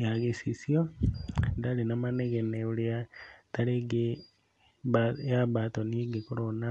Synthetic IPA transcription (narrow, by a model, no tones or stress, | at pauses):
jaɣisisjo | dalinamaneɣeneuliataleɡe | βajaβatoniɡekuɾona